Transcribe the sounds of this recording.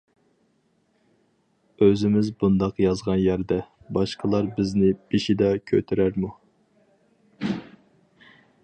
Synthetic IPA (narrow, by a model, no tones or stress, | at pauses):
øzɪmɪzbund̪ɑqjɑzʁɑnjæɾd̪ɛ | bɑʃqʰəlˠɑɾbɪznɪb̥iʃid̪ɑkʲʰø̰t̪ʰyɾæɾmu